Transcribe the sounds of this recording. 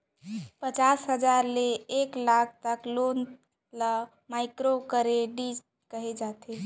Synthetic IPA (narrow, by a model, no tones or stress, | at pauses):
pət͡ʃasɦəd͡ʒaɾleːklak̚ʰt̪əklon | lə | maɪkɾokəɾeɖid͡ʒ | kəɦed͡ʒat̪ʰe